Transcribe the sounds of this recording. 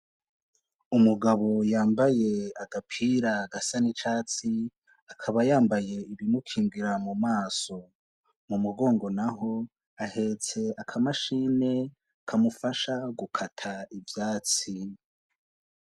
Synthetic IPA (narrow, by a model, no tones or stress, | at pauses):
umuɡaβo̞jaːmbaje̞aɡapʰiɾaɡasanit͡ʃaːt͡si | akʰaβajaːmbaje̞iβimukʰiːŋɡiɾamumaːso̞ | mumuɡo̞ːŋɡo̞naɦo̞ | ahe̞t͡se̞akʰamaʃine̞ | kʰamufaʃaɡukʰatʰaivjaːt͡si